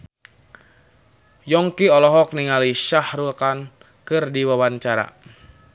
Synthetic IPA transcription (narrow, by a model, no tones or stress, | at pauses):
jɔŋkiɔlɔɦɔk̚niŋaliʃahɾukan | kɨrdiwawaɲt͡ʃaɾa̰